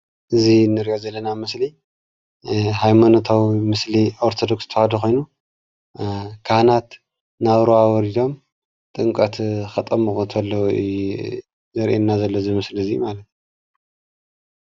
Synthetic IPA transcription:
ʔɨzinɨɾiʔozɐlːɐnamɨsli | ɦajmanot̪ʰawimɨslioɾt̪ʰod̪okst̪ʰɐhad̪ixo̞jnu | kʰahnat̪ | naβɾoawɔɾid̪o̞m | t̪ʼɨŋkʼɐt̪xɐt̪ʼɐmɨxut̪ʰɐlːɐw | zɐɾʔenːazɐlːozɨmɨsliɨzijmalɐt̪

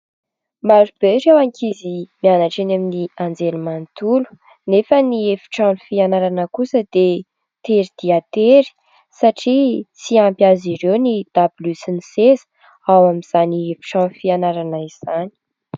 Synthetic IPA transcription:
maɾub̥eɾewaŋkʰizimianaʈ͡ʂenaminiand͡zelumant̪ulu̥ | nefəniefi̥ʈ͡ʂanufianaɾanəkusəd̪̥e | t̪eɾid̪̥iat̪eɾi̥ | saʈ͡ʂit͡siampjaziɾewnid̪̥abilysinisezə̥ | awamiz̥aniefi̥ʈ͡ʂãnfianaɾanəiz̥ani̥

